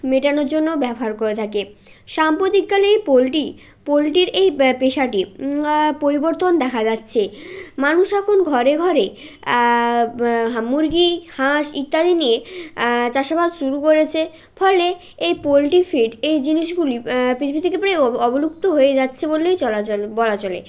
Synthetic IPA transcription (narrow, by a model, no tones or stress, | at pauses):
meʈanoɾd͡ʑonːobɛboɦaɾkoɾet̪ʰakeʃampɾot̪ikkalejpolʈi | polʈiɾejpeʃaʈi | poɾiboɾt̪ond̪ɛkʰad͡ʑatːɕʰemanuʃɛkʰonɡʱɔɾeɡʱɔɾe | ɦamuɾɡihaʃit̪ːaɾinie | t͡ɕaʃabad̪ʃuɾukoɾet͡ɕʰe | pʰɔle | ejpolʈifʰiɖejd͡ʑiniʃɡulipit̪ʰibit̪ʰikepɾajɔbolukt̪oɦoed͡ʑatːɕʰebolejt͡ɕɔlat͡ɕolbɔlat͡ɕolḛ